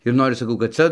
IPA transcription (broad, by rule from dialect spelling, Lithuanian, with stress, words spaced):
ɪr ˈnoːrʲɪs sɐˈkɐʊ kɐt ˈt͡sʲɛ